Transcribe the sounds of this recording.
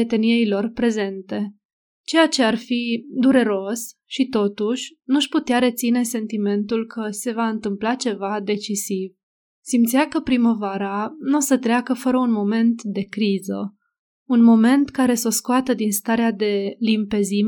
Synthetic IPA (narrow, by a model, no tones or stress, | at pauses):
et̪e̞niejlo̞rpɾe̞ze̞nt̪e̞ | t͡ʃe̞jat͡ʃe̞arfid̪uɾe̞ɾo̞sʃit̪o̞t̪uʃʲnuʃput̪eaɾe̞t̪sine̞se̞nt̪ime̞nt̪ulkʰəse̞vaɨnt̪ɨmplat͡ʃe̞vad̪e̞t͡ʃisiv | simt̪siakəpɾiməvaɾanusət̪ɾeakəfəɾəunmo̞me̞nt̪d̪e̞kɾizə̰ | unmo̞me̞nt̪kaɾe̞so̞skoat̪əd̪inst̪aɾead̪e̞limpe̞zim